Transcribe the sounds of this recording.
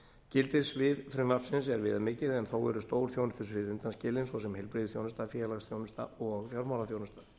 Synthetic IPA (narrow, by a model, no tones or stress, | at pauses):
cɪlt̪ɪsvɪðfɾʏnḁpsɪns̬ɛɾvɪːðamɪːcɪðɛnθawɛ̰ɾʏst̪oːwɾ̥θjownʏst̪ʏ̥svɪðʏnt̪anscɪlːɪnsvɔsɛmhɛlpɾɪðʏ̥sθjownʏst̪afjɛːɾlaɣsθjownʏst̪a̰ɔɣfjaɾmawlaθjownʏst̪ḁ